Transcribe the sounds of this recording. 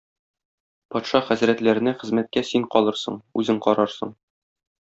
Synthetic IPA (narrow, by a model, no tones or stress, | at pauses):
pɒt̪ʃɑχæzɾæt̪læɾɘ̆næχɘ̆zmæt̪̚kæsiɴqɒlˠɤɾsɤ̰ɴʉzɘɴqɒɾɑɾsɤ̰̆ɴ